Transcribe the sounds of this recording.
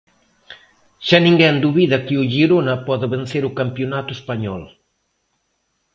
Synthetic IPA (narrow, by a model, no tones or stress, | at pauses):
ʃanĩŋɡɛnd̪uβiðɐkiuʎiɾonɐpɔðɪβenθeɾukampjunat̪uespaɲɔl